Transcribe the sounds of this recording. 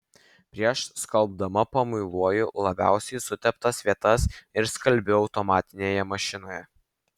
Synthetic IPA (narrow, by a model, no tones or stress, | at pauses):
pʲɾʲiɛʃskɐlˠb̚d̪ɐmɐpɐmʊɪlˠuɔjʊlˠɐbʲæ̰ˑʊsʲɛɪsʊt̪ʲɛpt̪ɐsʋʲiɛt̪ɐsɪɾskɐlʲbʲʊɒʊt̪ɔmɑːt̪ʲɪnʲeːjɛmɐʃʲɪnoːjɛ